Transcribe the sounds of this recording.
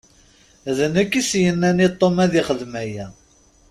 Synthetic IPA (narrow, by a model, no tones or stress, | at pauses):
æðənækːisjənːænit̪ˤːomæðɪχəðmæjæ